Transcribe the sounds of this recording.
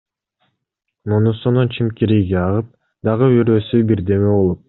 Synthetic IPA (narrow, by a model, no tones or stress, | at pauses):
nonusonunt͡ʃʰimkʲiɾiɡeɑʁɯp̚ | d̪ɑʁɯiɾøsybiɾd̪e̞meβolˠup̚